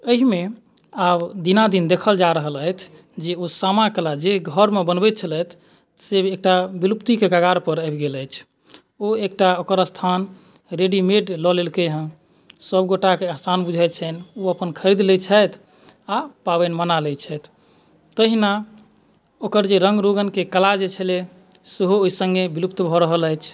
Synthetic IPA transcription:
əɦime | abd̪inad̪ind̪ekʰəld͡ʒaɾəɦələjt̪ʰ | d͡ʒeosamakelad͡ʒeɡʱəɾmebənbɛt̪̚t͡ʃʰəlɛt̪ʰ | sebek̚ʈabilupt̪ikekaɡaɾpəɾəbɡeləjt͡ʃʰ | oek̚ʈaokəɾəst̪ʰan | ɾeɖimeɖlɔlelkeɦə̃ | səbɡoʈakeasanbud͡ʒʱɛt͡ʃʰɛnoəpənkʰəɾid̪let͡ʃʰət̪ʰ | apabɛnmənalɛt͡ʃʰɛjt̪ʰ | t̪əɦina | okəɾd͡ʒeɾəŋɡɾoɡənkekəlad͡ʒet͡ʃʰəle | seɦooisəŋɡebilupt̪bʱɔɾəɦələjt͡ʃʰ

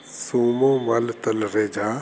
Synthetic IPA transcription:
suːmõmalt̪ɐlɾeːd͡ʒaː

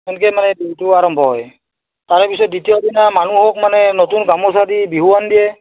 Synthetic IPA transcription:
ɛnkɛmanɛbetuaɹɔmbʱɔɦɔj | taɹɔpisɔt̚ditijɔbinamanuɦɔk̚manɛnotunɡamɔsadibiɦuwandijɛ

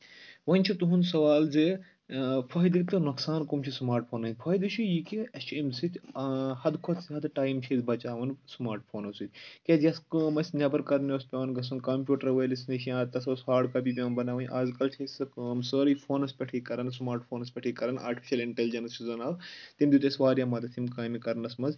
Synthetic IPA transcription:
ʋɐnʲt͡ʃʰit̪uɦunsɐʋaːlze | pʰɐɦjd̪ɨkʲt̪ɨnuksaːnkumt͡ʃʰismaːɾʈ̚pʰoːnɐnʲpʰɐjd̪ɨt͡ʃʰijikiɐst͡ʃemsit̪ʰʲhɐd̪kʰɔt̪sɦɐd̪ʈaːjmt͡ʃʰezbɐt͡ʃaːʋɐnsmaːɾʈpʰoːnɐsɨt̪ʲkʲezʲjɐskɐːmɐsʲnʲɐbɐɾkɐɾnoːspʲeʋɐnɡɐs̬unkɐmpʲjuːʈɐɾʋɐjlisniʃʰijãːt̪ɐsoːsɦaːɖkabibʲeːnbɐnaːʋɐnʲʔaːzkɐlt͡ʃʰesɨkɐːmsəːɾipʰoːnɐspʲɐʈʰiːkɐɾɐnsmaːɾʈpʰoːnɐspʲɐʈʰiːkɐɾɐna̰ːɾʈi̥pi̥ʃɐliɳʈelid͡ʒɐnst͡ʃʰizɐnaːwt̪imʲd̪ʲut̪ʲesʋaːɾjaːmɐd̪ɐt̪ʰimkaːmikɐɾnɐsmɐz

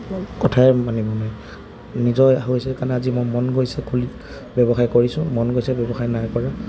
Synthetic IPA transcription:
kɔtʰaɛmanibɔnaj | nizɔjaɦosɛkanɛazimɔjmɔnɡojsɛkʰuli | bɔbɔxajkoɹisʊ̃mɔnɡojsɛbɔbɔxajnajkɔɹa

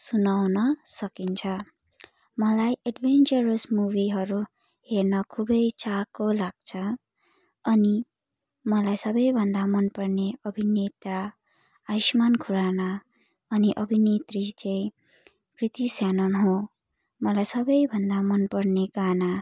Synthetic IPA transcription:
sunawnʌsʌkint͡sʰʌ | mʌlajʔeɖbʱent͡sʌɾʌsmubiɦʌɾu | hernʌkʰubʌjt͡sakolaɡ̥̚t͡sʰʌ | ʌni | mʌlajsʌbʌjbʱʌnd̪amʌnpʌrneʌbʱinet̪ra | aismankʰuɾana | ʌniʔʌbʱinet̪rit͡sej | krit̪isjanʌnɦõ | mʌlajsʌbʌjbʱʌnd̪amʌnpʌrneɡana

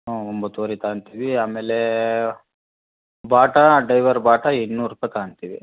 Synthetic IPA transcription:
oːombɐt̪ːoːɾit̪aːnt̪iːʋiaːmeːle | baːʈɐɖɐjʋɐɾbaːʈɐinːuːɾupɐt̪aːɐnt̪iːʋḭ

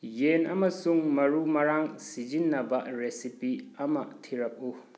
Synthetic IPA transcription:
jenɐmɐsuŋmɐɾumɐɾaŋsid͡ʒinːɐbɐɾesipiɐmɐtʰiɾɐk̚u

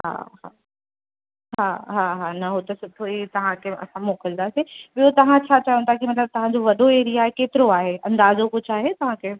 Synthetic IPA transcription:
ɦa̰ːɦa̰ː | ɦaːɦaːɦaːnɐɦot̪ɐsʊt̪ʰoiːt̪ɐʋ̤ãkʰeɐ̰sãmoːkəld̪aːseɓijot̪ɐʋ̤ãt͡ɕʰaːt͡ɕaːɦjũnt̪ʰakimɐt̪̬ləb̚t̪ɐʋ̤ãd͡ʑoʋɐɗoeːɾijaːɦekeːt̪ɪɾoaːɦeɐ̃nd̪aːzokʊd͡ʑʱaːɦet̪ɐʋ̤ãkʰe

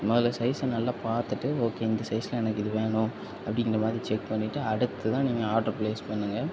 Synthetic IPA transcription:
ɐmoːðɪlɐsɐɪsɐnɐlːaːpaːɾt̪ɯʈːɯoːkːeːɪnd̪ɐsɐɪsɐlɐɛnɐkːɪðɯʋeːɳʊ̃ | ɐpːɐɽɪ̃ŋɡɪɾɐmaːðɪɾit͡ʃɛk̚pɐɳːɪʈːɯɐɽɯt̪ːɯt̪ãːniːŋɡɐaːɾʈɐɾpleːspɐɳːɯŋɡɐ

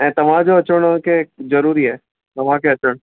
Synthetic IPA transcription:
ɛ̃ːt̪ɐʋ̤ãd͡ʑoɐt͡ɕəɽ̃kezɐɾuːɾiɦɛː | t̪ɐʋ̤ãkʰeɐt͡ɕəɽ̃

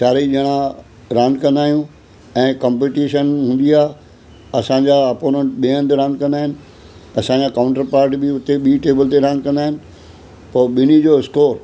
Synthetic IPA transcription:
saːɾiʄɐɽ̃ã | ɾaːnkɐ̃nd̪aːijũ | ɛ̃ːkɐ̃mpeːʈiːʃənɦũːn̆d̪ijaː | ɐsãɲd͡ʑaɐpoːɾẽɳʈɓiə̃nt̪ɾãːnkɐ̃nd̪aːɦɪnɪ̆ | ɐsãːɲd͡ʑakaʊ̃ɳʈəɾpaːɾʈbɪʊt̪eɓiːʈeːbəlt̪eɾãːnkɐ̃nd̪aːɦɪnɪ̆ | pɐɓɪnid͡ʑoːɪskoːɾ

